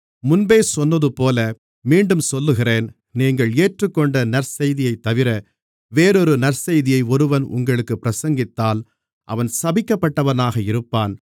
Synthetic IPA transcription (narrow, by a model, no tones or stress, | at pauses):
mʊnbeːsɔnːɐðɯpoːlɐ | miːɳɖɯmsɔlːɯɣɪreːn | niːŋɡɐɭeːʈrɯkːɔɳɖɐnɐɾsɐjðɪjɐɪt̪ːɐʋɪɾɐ | ʋeːɾɔɾɯnɐɾsɐjðɪjɐɪɔɾɯʋɐnʊ̰ŋɡɐɭɯkːɯpːɪɾɐsɐŋɡɪt̪ːaːl | ʔɐ̰ʋɐnsɐbɪkːɐpːɐʈːɐʋɐnaːɣɐɪɾɯpːaːn